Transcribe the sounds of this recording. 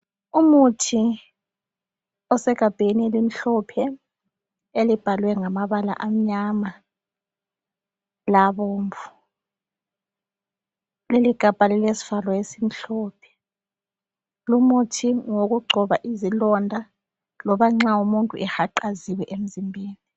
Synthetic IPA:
umutʰi | ɔsɛɣʱab̥ʱenielim̩ɬɔpʰɛ | elib̥ʱalwɛŋamaβala̰ʔam̩ɲama | laβoːɱvu̥ | leliɡ̥ʱab̥ʱalɛlesi̥valɔjesim̩ɬɔːpʰɛ̥ | lumutʰiŋoɣuɡ͡ǀʱɔβaʔizilɔndʱa | lɔβaŋ͡ǁaumuntʼṵʔɛxaǃaziwɛʔem̩zimbʱeːni

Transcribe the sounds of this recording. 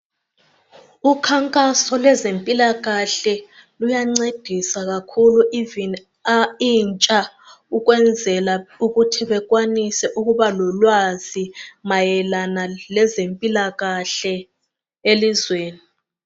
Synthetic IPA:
ukʰaŋkʼasɔlɛzempʼilaɣaɬɛ | lujaŋ͡ǀed̥ʱisaɣakʰuluʔivini | aint͡ʃʼa | uɣwɛnd͡zʱɛlauɣutʰiβɛɣ̬ʼwanisɛʔuɣuβalɔlwazimajɛlanalɛzempʼilaɣaɬɛ | elizweːni

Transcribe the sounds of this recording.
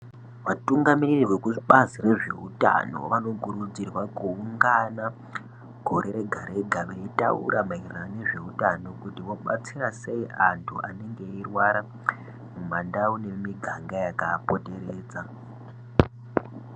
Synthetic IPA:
ʋatuŋɡamiririwekuiɓazire̞ʐe̞̰uta̰no̞̰ʋano̞kuɾud͡zirwakuːŋɡana | ɡʱo̞ɾe̞ɾe̞ɡʱaɾeɡʱaʋeita̰ṵɾamairaneʐe̞utano̞kutiʋo̞ɓa̰t͡sirase̞iʔantʰuʔane̞ŋɡe̞irwaɾa | mumandaune̞miɡʱaŋɡajakaːpo̞te̞ɾeːd͡za

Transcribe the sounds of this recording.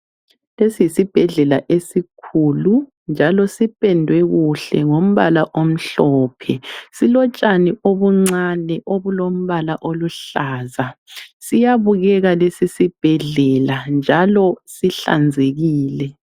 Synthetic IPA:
lesisib̥ʱɛɮɛla̰ʔesikʰulu | nd͡ʒʱalɔsipʼɛndʱwɛɣuɬɛ̰ŋom̩βalaʔom̩ɬɔːpʰɛsilɔt͡ʃʼanioβuŋ͡ǀanɛʔoβulom̩βalaʔoluɬaːzasijaβuɣɛɣalesisib̥ʱɛɮɛland͡ʒʱalɔsiɬa̰nd͡zʱeɣiːlɛ

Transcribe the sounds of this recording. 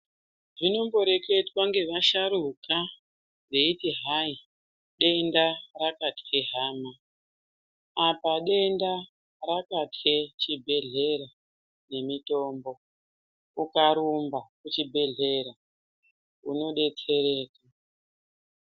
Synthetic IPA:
ʐino̞mbo̞ɾe̞ke̞twaŋɡe̞ʋaʃaɾuka | reitiɦai | ɗe̞ndarakatkeɦaːma | apaɗe̞nda | rakatʰe̞t͡ʃibʱe̞ɮe̞ɾa | ne̞mito̞mbo̞ | ukaɾumbakut͡ʃibʱe̞ɮe̞ɾa | ṵno̞ɗe̞t͡se̞ɾe̞ːka

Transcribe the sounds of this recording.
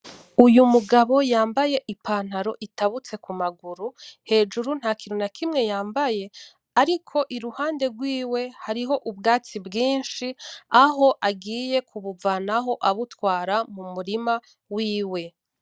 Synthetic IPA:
ujumuɡaβo̞jaːmbaje̞ʔipaːn̥haɾo̞ʔitaβut͡se̞kumaɡuɾuhe̞ːd͡ʒuɾun̥hakiɾunakʰimŋe̞jaːmbaje̞ | aɾikʰo̞ʔiɾuhaːnde̞ɡwiːwe̞haɾiɦo̞ʔubɡaːt͡sibɡiːnʃiaɦo̞ʔaɡiːje̞kʰuβuvanaɦo̞ʔaβutwaːɾamumuɾima | wiːwe̞

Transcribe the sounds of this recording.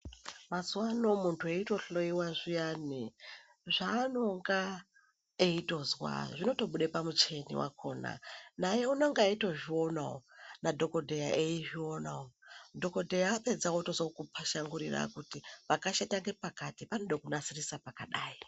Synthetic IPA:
mazuwano̞muntʰue̞ito̞ɬo̞iwaʐijaːni | ʐaːno̞ŋɡa | eito̞zwa̰ʐino̞to̞ɓuɗe̞pamut͡ʃe̞nḭwa̰kʰo̞na̰najeunoŋɡaito̞ʐio̞nao̰nadʱo̞ko̞dʱejaʔeiʐio̞nawodʱo̞ko̞dʱejaːpe̞d͡zawotozookupʰaʃaŋɡuɾira̰kutipakaʃataŋɡe̞pakatipanoɗokunasirisapakaɗaːi

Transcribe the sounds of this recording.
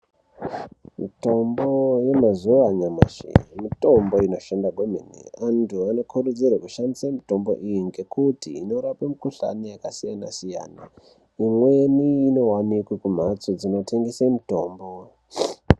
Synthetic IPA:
mito̞mboje̞mazuaɲama̰ʃḭmito̞mbo̞ino̞ʃandaɡʱom̤enḭantʰuano̞kʰuɾud͡zirwakuʃandisamito̞mbo̞̰ʔijiŋɡe̞kutiːno̞ɾapemukuɬa̰nijakasijana̰sija̰ːna | imwe̞niːno̞wamikwekum̤at͡sod͡zino̞tʰeŋɡesemito̞ːmbo

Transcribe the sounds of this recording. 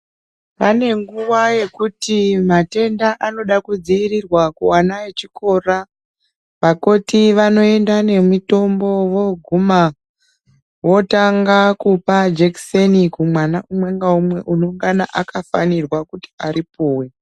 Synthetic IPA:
pane̞ŋɡuwaje̞kutimate̞ndaʔano̞ɗakud͡ziiɾirwakuanaet͡ʃiko̞ra | ʋako̞tiʋano̞e̞ndane̞mito̞mbo̞ʋo̞ɡʱuma | wo̞taŋɡakupad͡ʒeksenikumwanaʔumwe̞ŋɡaumwe̞ʔuno̞ŋɡanaʔakafanirwakuti̥aɾipoːwe

